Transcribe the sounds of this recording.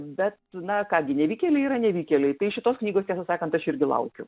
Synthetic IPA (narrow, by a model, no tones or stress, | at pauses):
bʲɛt̪nɐkɑːɡʲɪnʲɛʋʲiːkʲeːlʲɛɪiːɾɐnʲɛʋʲiːkʲelʲɛɪt̪ɐɪʃʲɪt̪oːsknʲiːɡoːstʲæːsɐsɑːkɐnt̪ɐʃɪɾʲɡʲɪlˠɐ̰ʊkʲʊ